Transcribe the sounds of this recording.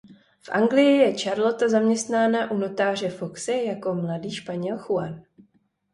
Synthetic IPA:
fʔa̰ŋɡlɪjɪjɛt͡ʃaɾlo̞t̪azamɲɛst̪naːnaʔuno̞t̪aːr̝ɛfo̞ksɛjako̞mladiːʃpaɲɛlxuan

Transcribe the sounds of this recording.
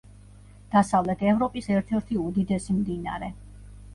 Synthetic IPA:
d̪̥asavlɛt̪ʰɛvɾɔpʼisɛɾt̪ʰɛɾt̪ʰiud̪id̪ɛsimd̪ina̰ɾɛ

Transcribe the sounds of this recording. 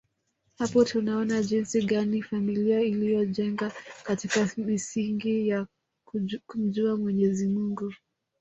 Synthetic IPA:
hapɔtunaɔnaʄinsiɠanifamiliailijɔʄɛŋɡakatikamisiŋɡija | kum̩ʄuamwɛɲɛzimuŋɡu

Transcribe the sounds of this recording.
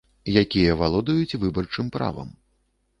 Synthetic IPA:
jakʲijɐvalˠɔd̪ujut͡sʲvɨbɐrt͡ʂɨmpɾa̰vɐ̰m

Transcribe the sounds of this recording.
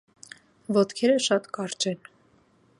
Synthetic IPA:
vɔt̪kʰɛɾəʃɑt̪kɑɾt͡ʃɛn

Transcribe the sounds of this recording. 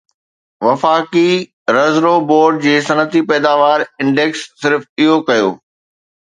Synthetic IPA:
ʋɐfaːki | ɾɐzɾoboːɾɖ̚d͡ʑeːsɐnət̪ipɛːd̪aːʋaːɾɪ̃ɳɖeksːɪɾfɪɦokɐjo̰ː

